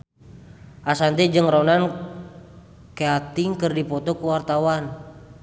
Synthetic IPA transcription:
ʔasant̪ɛd͡ʒɨŋronan | keat̪iŋkɨrdipɔt̪ɔkuwart̪awan

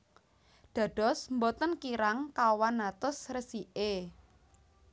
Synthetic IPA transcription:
ɖ̪̥ä̤ɖ̥ɔ̤smbot̪ənkiɾaŋkawanːat̪ʊsrəsiʔe

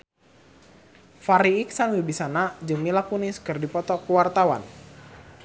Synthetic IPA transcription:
faɾiːk̚sanwibisanad͡ʒɨŋmilakuniskɨrdipɔt̪ɔkəwart̪awa̰n

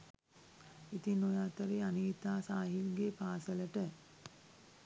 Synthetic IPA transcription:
it̪inojaːt̪əɾeːaniːt̪aːsaːɦilɡepaːsələʈə

